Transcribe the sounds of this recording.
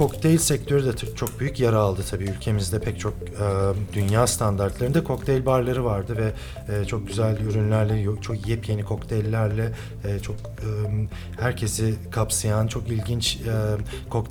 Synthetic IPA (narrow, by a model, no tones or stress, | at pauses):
kʰo̞kt̪ʰelʲsɛc̚t̪ʰø̞ɾyd̪ɛt͡ʃʰo̞k̚byjycjaɾaːlˠd̪ɯt̪ʰabiːylʲcʰe̞mizd̪ɛpʰɛc̚t͡ʃʰo̞k̚ː | d̪ynjaːst̪ʰand̪aɾt̪lˠaɾɯnd̪ɛkʰo̞kt̪ʰɛjlʲbaɾlˠaɾɯvaɾd̪ɯvɛː | t͡ʃʰo̞k̚ɟyzælʲyɾynlʲæɾlʲejt͡ʃʰokjɛpje̞nikʰo̞kt̪ʰɛjlʲːæɾlʲɛː | t͡ʃʰo̞kː | m | hæɾcʰe̞sɪkʰapsajant͡ʃʰo̞kilʲɟint͡ʃɛ | kʰok̪